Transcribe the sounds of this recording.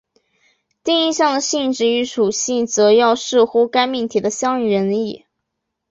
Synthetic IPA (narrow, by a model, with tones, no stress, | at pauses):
t̪i˥˧ŋi˥˧ɕjɑ˥˩ŋd̪ə˩ɕi˥˧nʈ͡ʂɻ̩˥˩y˧˥ʂu˨˩ɕi˥˩nt͡sɤ˧˥jɑ˥˧ʊʂɻ̩˥˩xu˥ka˥ɪmi˥˩nt̪ʰi˨˩d̪ə˦ɕjɑ˥ŋɥə˧˥ni˥˩